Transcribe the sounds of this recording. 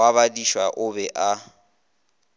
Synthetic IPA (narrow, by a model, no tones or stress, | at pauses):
aβadiʃwaʔʊbɛʔa